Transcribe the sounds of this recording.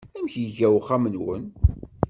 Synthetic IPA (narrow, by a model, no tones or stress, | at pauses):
æmçjəʝæwχæmənwə̰n